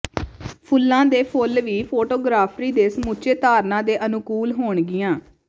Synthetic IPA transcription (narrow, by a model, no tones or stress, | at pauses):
pʰʊlːãːd̪eːpʰolʋiːpʰoːʈoːɡɾaːpʰɾiːd̪eːsəmut͡ʃeːt̪aːɾnãːd̪eːʔənʊkuːlɦoːɳɡɪjãː